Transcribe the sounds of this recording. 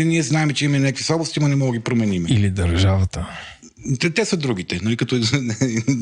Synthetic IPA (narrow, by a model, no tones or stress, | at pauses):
niɛznaɛmɛt͡ʃɛimɐinɛkvisˠɔblost̪ʲimɐnɛmɔɡɡʲipɾomɛnimɛilid̪əɾʒavɐt̪ə | t̪ɛt̪ɛsəd̪ɾuɡ̟it̪ɛnɐlikɐt̪ɔ